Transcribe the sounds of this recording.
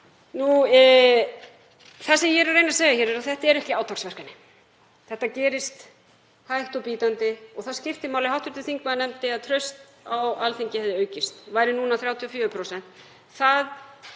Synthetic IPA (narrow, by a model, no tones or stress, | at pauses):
nu | θasɛmjɛɾarːejnaseːɣaçɛːɾɛɾaθɛht̪aɛɾɛhcɪaːwt̪ʰawksvɛr̥kanːɪ | θɛht̪ːacɛːɾɪst̪ | hajht̪ɔwpiːt̪ant̪ɪɔɣθaðscɪft̪ɪmaːwlɪhawht̪ʏɾt̪ɪθiŋkmaðnɛmt̪ɪaðt̪ʰɾœɥst̪ | awalθiɲcɪhɛvðɪœːɥcɪst̪vaːjɾɪnunaθɾjaːwt̪ʰiɔfjʏːɾʏpʰɾosɛn̥t̪ | θað